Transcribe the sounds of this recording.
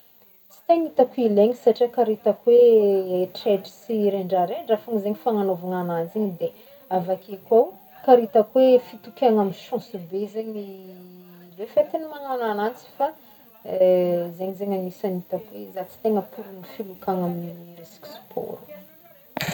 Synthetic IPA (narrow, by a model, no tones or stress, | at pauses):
t͡si̥t̪eŋit̪akuileɲisaʈ͡ʂakaɾit̪akweeʈ͡ʂedi̥siɾeɳɖ͡ʐaɾeɳɖ͡ʐafaŋizeɲifaŋanovaŋananziɲid̪e | avakekʲaw | kaɾit̪akwefit̪ukʲaŋamiʃɔ̃subezeɲi | lefet̪inimanananant͡si̥fa | zeɲizeŋanisanit̪akweizat͡si̥t̪eŋəpuɾunifilukaŋaminiɾisi̥ksu̥pʰo̰ɾu̥